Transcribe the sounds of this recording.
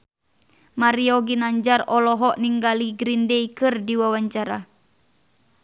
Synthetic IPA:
maɾiɔɡinaɲd͡ʒarɔlɔɦɔʔniŋɡaliɡɾindɛikɨrdiwawaɲt͡ʃaɾa

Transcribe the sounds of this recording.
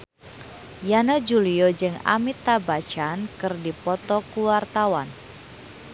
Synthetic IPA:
janad͡ʒuliɔd͡ʒɨŋa̰mit̪abat͡ʃankɨrdipɔt̪ɔkuwart̪awan

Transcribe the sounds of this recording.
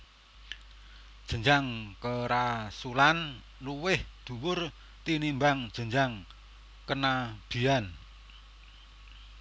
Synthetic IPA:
d̥ʒ̥ə̤ɲd͡ʒaŋkəɾasulan | luwɪhd̪̥ṳwʊr | t̪inimbaŋd̥ʒ̥ə̤ɲd͡ʒaŋ | kənab̥i̤an

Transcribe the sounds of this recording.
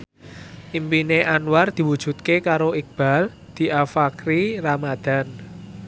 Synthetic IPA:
ʔimpineʔanward̪̥i̤wud̥ʒ̥ṳt̪̚kekaɾoik̚b̥a̤l | d̪̥i̤ʔafakɾiramad̪̥a̤n

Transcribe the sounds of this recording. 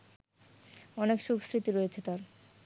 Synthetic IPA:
ɔnekʃuksɾit̪iɾojet͡ɕʰet̪aɾ

